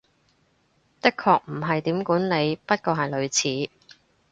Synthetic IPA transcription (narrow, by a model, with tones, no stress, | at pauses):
t̪ɪ˥kʰɔː˧k̚m̩˨˩ɦɐ˨jt̪iː˨˥mkuː˨˥nle˨˧jpɐ˥t̚kɔː˧ɦɐ˨jlɵ˨˧ɥt͡sʰiː˨˥